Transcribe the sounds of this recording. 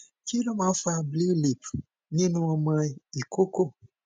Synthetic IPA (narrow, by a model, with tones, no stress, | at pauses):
ki˦lɔ˦mã˨˦fa˧bli˦li˨p | ɲĩ˦nũ˧˦ɔ˧mã˧i˨kʰo˦ko˦˨